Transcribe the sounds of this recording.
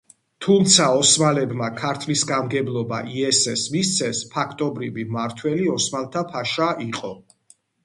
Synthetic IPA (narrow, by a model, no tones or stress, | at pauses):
t̪ʰumt̪sʰaɔsmalɛbmakʰaɾt̪ʰlisɡamɡɛblˠɔba̰ʔiɛsɛsmist̪sʰɛspʰakʰt̪ʼɔbɾivimaɾt̪ʰwɛliɔsmalˠt̪ʰapʰaʃaiqʼɔ